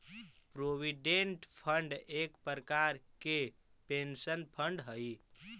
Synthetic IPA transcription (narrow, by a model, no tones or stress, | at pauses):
pɾoʋiɖeɳʈpʰəɳɖekpəɾkaɾke | pensənpʰəɳɖɦəi